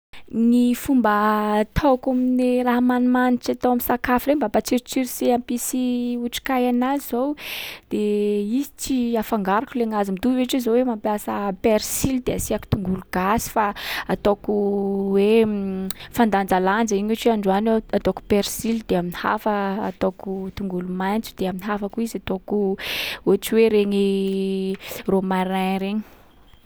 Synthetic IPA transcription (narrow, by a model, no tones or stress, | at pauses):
nifumbət̪ʰokaminiraɦamanumanit͡ʃat̪owaminsakafɾembapat͡siɾit͡siɾiseampisiuʈ͡ʂi̥kajanazizowd̪̥eizi̥t͡siafaŋɡaɾakuleŋazimit̪uveʈ͡ʂizowemampjasəpeɾsild̪easiaki̥t̪uŋɡuluɡ̥asi̥faat̪okuwe | fand̪and͡zaland͡zəiɲeʈ͡ʂiaɳɖ͡ʐuanoat̪oku̥peɾsild̪̥eaminiha̰fə̰ːt̪okut̪uŋɡulumajnt͡su̥d̪̥eaminiɦafakuizat̪okuot͡siweɾeɲi | romaɾajɾeɲi̥